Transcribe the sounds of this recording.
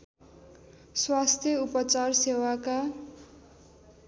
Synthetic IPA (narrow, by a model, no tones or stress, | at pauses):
swast̪ʰjʌupʌt͡sarsewaka